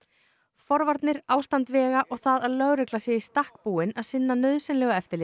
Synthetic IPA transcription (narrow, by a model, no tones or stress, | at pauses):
fɔɾvaɾt̪nɪɾaːwst̪ant̪vɛːɣaʔɔɣθaðaðlœɣɾɛklasjɛist̪ahk̚puːɪnaðsɪnːanœðsɛnlɛːɣaɛft̪ɪɾlɪ